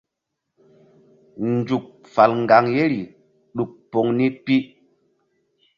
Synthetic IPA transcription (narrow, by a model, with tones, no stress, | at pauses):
nd͡ʒu˨k̚fa˨lŋɡa˨ŋje˦ɾi˨ | ɗu˨k̚po˨˦ŋni˦pi˦